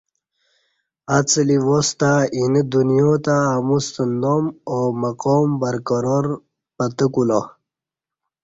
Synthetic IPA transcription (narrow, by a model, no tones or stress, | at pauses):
at͡sliwost̪ainəd̪unijoːt̪aːmust̪ənd̪omomɐqoːmbɐɾkoɾoɾ | pət̪əkulo